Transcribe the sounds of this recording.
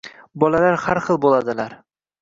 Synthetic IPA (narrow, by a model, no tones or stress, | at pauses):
bɒlalaɾhaɾχɨlˠbolˠad̪ɪlaɾ